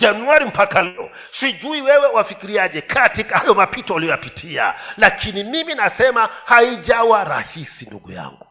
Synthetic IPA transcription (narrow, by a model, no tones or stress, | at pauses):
d͡ʒanwaɾim̩pakalɔ̰ | siʄuiwɛwɛwafikiɾiaʄɛkʰatikahajɔmapitɔalijɔjapitʰia̰lakʰinimiminasɛmahaiʄawaɾa̰hisinduɡṵja̰ŋɡu